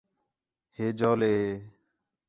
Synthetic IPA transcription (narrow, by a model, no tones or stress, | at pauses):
heːd͡ʒoːleːɦeː